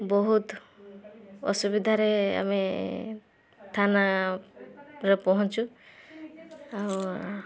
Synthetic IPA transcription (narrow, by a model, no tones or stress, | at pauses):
bɔɦut̪ | ɔ̰subid̪ʱaɾea̰mi | t̪ʰana | ɾepɔɦɔ̃t͡ʃʰu | aw